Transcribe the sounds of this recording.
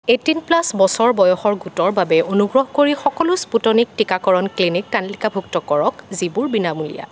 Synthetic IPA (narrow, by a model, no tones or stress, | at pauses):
etinplasbɔsɔɹbɔjɔxɔɹɡutɔɹbabɛonuɡɹɔɦkoɹixɔkɔlʊsputɔnik̚tikakɔɹɔnklinik̚tanlikabʱuktɔkɔɹɔkzibuɹbinamulḭja̰